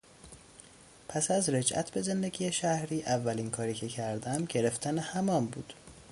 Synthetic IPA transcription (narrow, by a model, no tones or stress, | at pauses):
pʰæsæzɾe̞d͡ʒʔæ̰t̪ʰbe̞ze̞nd̪e̞ɟʲiːjeʃæhɾiːʔævːælinkʰɒːɾiːcʰe̞cʰæɾd̪æmɟe̞ɾe̞ft̪ʰænehæmɒːmbuːd̪̥